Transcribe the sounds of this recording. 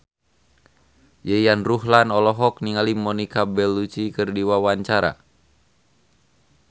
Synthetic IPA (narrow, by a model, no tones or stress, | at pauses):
jɛjanruɦlanɔlɔɦɔk̚niŋalimɔnikabɛlːut͡ʃikɨrdiwawaɲt͡ʃaɾa̰